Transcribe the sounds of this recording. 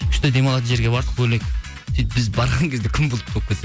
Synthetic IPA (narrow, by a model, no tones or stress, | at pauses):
ʏʃt̪ed̪e̞mɑlˠɑt̪əʒe̞ɾɡʲe̞bɑɾd̪əqbɵlekʲ | t̪ʰijt̪bɪzbɑɾʁɑŋkʲed̪ekʲʰʏmbolˠəp̚t̪ʰolˠəpkʲʰet̪e